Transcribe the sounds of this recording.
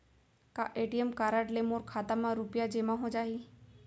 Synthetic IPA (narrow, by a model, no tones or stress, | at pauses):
ka̰ʔeːʈiəmkaːɾaʈlemoːɾkʰaːt̪amãɾʊpjad͡ʒeːmãɦod͡ʒaːɦiː